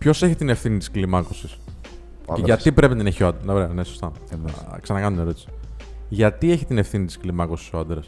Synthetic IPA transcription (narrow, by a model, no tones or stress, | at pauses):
pço̞se̞çit̪ine̞fθinit̪i̥sklimɐko̞sis | ceʝɐt̪ipɾe̞pinɐt̪ineçioɐd̪nɐɾenesost̪ɐksɐnɐkɐnuneɾo̞t̪i̥si̥ʝɐt̪ie̞çit̪ine̞fθinit̪isklimɐko̞si̥soɐnd̪ɾɐs